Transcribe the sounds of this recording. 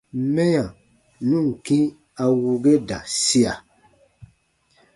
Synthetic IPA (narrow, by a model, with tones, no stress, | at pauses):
mɛ˦jã˨ | nũ˦˨ŋ̩˨kĩ˦ | a˨wu˨ɡe˦da̰˨si˦a˨